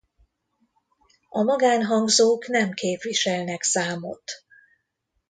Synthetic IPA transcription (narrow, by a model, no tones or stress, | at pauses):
ɒmɒɡaːnɦɒŋɡzoːknɛmkeːpʋiʃɛlnɛksaːmo̰t̪